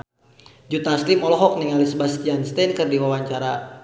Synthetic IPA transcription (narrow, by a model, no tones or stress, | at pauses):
d͡ʒut̪aslimɔlɔɦɔk̚niŋalisbast̪ijanst̪ɛnkərdiwawaɲt͡ʃaɾa